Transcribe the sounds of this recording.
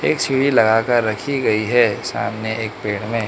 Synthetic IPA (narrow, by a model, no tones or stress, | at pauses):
eːksʰiɽilɐɡaːkəɾːɐkʰiɡɐiɦɛsa̰ːmneʔeːkpeːɽ̃mẽ